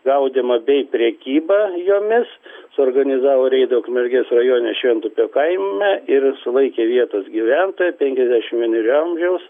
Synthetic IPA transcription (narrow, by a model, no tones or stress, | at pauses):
ɡɐʊd̪ʲɛmɐbʲɛɪpʲɾʲɛkʲiːbɑjoːmʲɪssʊoːrɡɐnʲɪzɑːʋoːɾʲɛɪd̪okmʲɛlʲɡʲesrɐjoːnʲɛʃʲʋʲiɛnt̪ʊpʲoːkɐɪmʲɛɪrsʊlˠɐɪkʲeːʋʲiɛt̪ɐsɡʲiːʋʲænt̪oːjɛpʲɛŋʲkʲɛzʲd̪ʲæʃʲɪmʋʲiɛnuɾʲʊɐmʲʒʲɛʊs